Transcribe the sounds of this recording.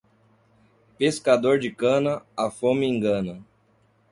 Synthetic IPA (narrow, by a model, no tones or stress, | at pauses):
peskad̪oɾd͡ʒɪkɐ̃nɐafõmɪẽŋɡɐ̃nɐ